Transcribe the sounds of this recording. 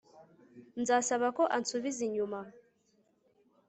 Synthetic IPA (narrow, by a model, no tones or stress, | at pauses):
nzaːsaβako̞ʔansuβiziɲuma